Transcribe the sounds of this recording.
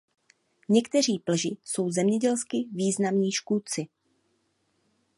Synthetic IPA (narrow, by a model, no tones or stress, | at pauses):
ɲɛkt̪ɛr̝iːplɛʒɪso̞wzɛmɲɛɟɛlskɪviːznamɲiːʃkut͡sɪ